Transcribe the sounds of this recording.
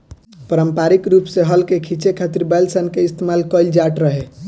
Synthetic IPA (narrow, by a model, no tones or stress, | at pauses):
pəɾəmpaɾikɾupseɦəlkekʰit͡ʃekʰat̪iɾbɛlsənkeist̪emalkəjld͡ʒaʈɾəɦe